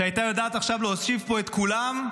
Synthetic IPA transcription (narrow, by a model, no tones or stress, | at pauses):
eajt̪ajad̪aːt̪aχʃavlohosʃivpo̞et̪kulam